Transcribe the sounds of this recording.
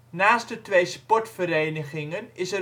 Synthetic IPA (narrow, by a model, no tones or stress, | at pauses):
naːstdətʋejspɔɹtfəɾejnəχɪŋənɪsə